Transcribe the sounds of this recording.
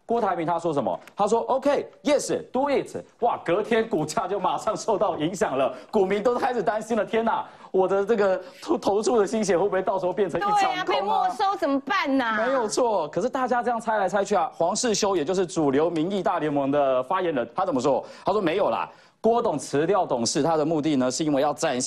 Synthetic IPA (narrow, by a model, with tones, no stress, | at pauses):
kwɔ˥t̪ʰa˧˥ɪmi˧˥ŋt̪ʰa˥ʂwɔ˥ʂ̬ə˧˦nmə̰˨t̪ʰa˥ʂ̬wɔ˥ʔo˥ʊkʰe˥ɪjɛ˥˧ʂ̩˨˩t̪wu˥˦jɛ˥˩t͡s̩ʰ˨˩˦wa˥˨˩kɤ˨˧˥t̪ʰjɛ˥nku˨˩t͡ɕja˥˧t͡ɕjo˥˩ʊma˨˩ʂɑ˥˧ŋʂo˥˧ʊt̪ɑ˥˩ʊi˧˥ŋɕjɑ˨˩ŋlə˦ku˨˩mi˧˦˥nt̪o˥ʊkʰa˥ɪʂɻ̩˨˩t̪a˦nɕi˥nlə˨t̪ʰjɛ˥na̰˨ | wɔ˨˩d̪ə˧nɤ˥˩ɡə˩t̪ʰt̪ʰo˧˥ʊt͡sʰu˥˩d̪ə˩ɕi˥ŋɕ̬jɛ˧˥˦xwu˥˩pu˧e˥˩ɑ˥˩ʂ̩˧˥xpjɛ˥˩nt͡sʰə˧nŋi˥˦kʰŋ˧˨˩ʂo˥ʊsə˨˩mə˧˩pa˥˩n˨˩me˧˥ɪjo˨˩ʊt͡sʰwɔ˥˩kʰɤ˨˩ʂɻ̩˥˧t̪a˥˩t͡ɕja˥t͡sɤ˥˧jɑ˥˩ŋt͡sʰa˥ɪla˧˥ɪt͡sʰa˥ɪt͡ɕʰy˥˩a˨˩xwɑ˧˥ŋʂɻ̩˥˩ɕjo˥ʊjɛ˨˩t͡ɕjo˥˧ʊʂ̩˥˩ʈ͡ʂu˨˩ljo˨˧˥ʊmi˧˥ŋi˥˧t̪a˥˩ljɛ˧˥nmɤ˧˥ŋd̪ə˧fa˥jɛ˧˥nɻə˧˦nt̪ʰa˥t͡sə˨˩mə˦ʂwɔ˦˥t̪ʰa˥ʂwɔ˥me˧˥ɪjo˨˩ʊlɐ̰˩ | kwɔ˥t̪ʊ˨˩ŋt͡s̩ʰ˧˦˥t̪jɑ˥˨˩ʊt̪ʊ˨˩ŋʂɻ̩˥˩t̪ʰa˥d̪ə˨mu˥˧t̪i˥˩nə˨ʂɻ̩˥˩˧i˥nwe˧jɑ˥˧ʊt͡sa˥˧n